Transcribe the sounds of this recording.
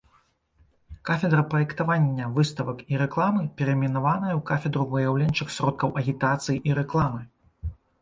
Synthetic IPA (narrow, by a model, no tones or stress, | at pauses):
kafʲɛd̪ɾɐpɾɐjɛkt̪avanʲːɐvɨst̪ɐvɐkiɾɛklˠamɨpʲɛɾɛmʲinavanɐjɐwkafʲɛd̪ɾuvɨjawlʲɛnʲt͡ʂɨxsrɔt̪̚kɐwʔɐɣʲit̪at̪sɨjiʔiɾɛklˠamɨ